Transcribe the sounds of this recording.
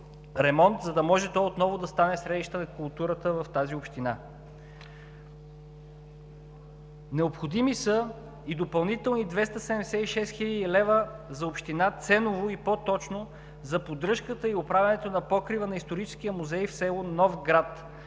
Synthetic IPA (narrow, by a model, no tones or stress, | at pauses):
ɾɛmɔnt̪zɐd̪ɐmɔʒɛt̪ɔjot̪nɔvʊd̪ɐst̪anɛsɾɛd̪iʃt̪ənɐkʊlˠt̪uɾət̪əvɐft̪aziopʃt̪ina | nɛopxod̪imisə | id̪opɐlˠnit̪ɛlˠnid̪vɛst̪əsɛd̪ɛmd̪ɛsɛiʃɛst̪xiʎʲəd̪ilɛvəzɐopʃt̪inat̪sɛnovoipot̪ɔt͡ʃno | zɐpod̪ɾɤʃkət̪əiopɾavʲɐnɛt̪onɐpɔkɾivənɐist̪oɾit͡ʃɛ̥sk̟ijəmuzɛjfsɛlˠonɔfɡɾat̪